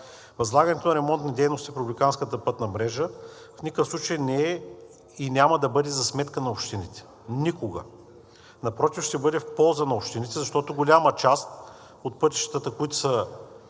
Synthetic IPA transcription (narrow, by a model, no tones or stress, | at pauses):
vɐzlˠaɡɐnɛt̪onɐɾɛmɔnt̪nid̪ɛjnost̪ipɾublʲikanskət̪əpɤt̪nɐmɾɛʒə | fnʲikəfsˠut͡ʃəjnɛɛ | inʲamɐd̪ɐbɤd̪ɛzɐsmɛt̪kənɐopʃt̪init̪ɛ̥ | nikoɡə̰ | nɐpɾɔt̪ifʃt̪ɛbɤd̪ɛfpɔlˠzənɐopʃt̪init̪ɛzɐʃt̪ɔt̪oɡolʲamɐt͡ʃast̪ | ot̪̚pɤt̪i̥ʃt̪ət̪əkʊit̪ʊ̥sə